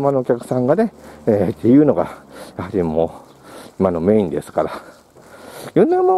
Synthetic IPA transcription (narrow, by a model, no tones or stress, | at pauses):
mano̞ːkʲakɯ̟̥sãŋɡane̞eːt̪ːe̞jɯ̟ːno̞ɡa̰jahaɾʲimoː | imano̞me̞ːĩnd̪e̞sɨ̥kaɾa | jonːamo